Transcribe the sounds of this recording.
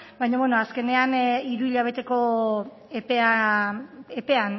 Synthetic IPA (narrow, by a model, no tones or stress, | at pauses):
bajɲaβwenoaske̞ne̞aniɾuiʎaβ̞e̞t̪e̞ko̞ | epea | epe̞an